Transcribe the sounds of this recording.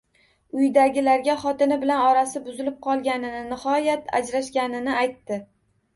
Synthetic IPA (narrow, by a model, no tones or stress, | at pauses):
ʊjd̪aɡʲɪlaɾɡʲaχɒt̪ɪnɪbɪlanɒɾasɪbʊzɪlɪp̚qʰɒlˠɡʲanɪnɪnɪχɒjat̪ʰa̰d͡ʒɾaʃɡʲanɪnɪajt̪ːɪ